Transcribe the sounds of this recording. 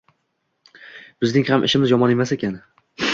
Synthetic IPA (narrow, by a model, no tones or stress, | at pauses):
bɪznɪŋhamʔɪ̰ʃɪmɪzjɒmɒnemase̞kʲan